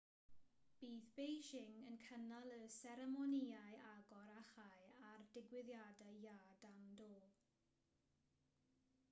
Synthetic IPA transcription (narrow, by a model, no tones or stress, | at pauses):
b̥iːθb̥ejʃɪŋənkʰənalˠəsɛɾɛmɔniaɨʔaɡɔɾaχajardɪɡwɪðjadajaːdandoː